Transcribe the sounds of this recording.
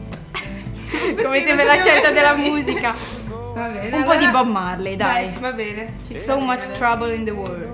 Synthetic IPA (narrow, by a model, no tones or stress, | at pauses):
komesembɾelaʃːɛlt̪ad̪elːamuːzika | vabɛumpɔd̪ibɔmːarled̪ajvabɛːne | somat͡ʃt̪ɾabəlĩnd̪əwɔld̪